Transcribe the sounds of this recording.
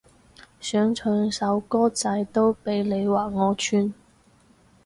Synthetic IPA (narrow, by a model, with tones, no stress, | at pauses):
sœː˨˥ŋt͡ʃʰɵ˨˧ŋsɐ˨˥wkɔː˥t͡sɐ˧jt̪o˥wpe˨˧jle˨˧jwaː˨˩ŋɔː˨˧t͡ʃʰyː˧n